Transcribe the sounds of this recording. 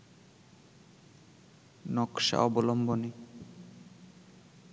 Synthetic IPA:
nɔkʃa̰ɔbolomboni

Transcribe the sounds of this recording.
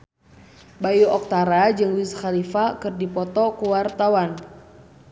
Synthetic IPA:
bajuʔɔk̚t̪aɾad͡ʒɨŋwisxalifakɨrdipɔt̪ɔkuwart̪awan

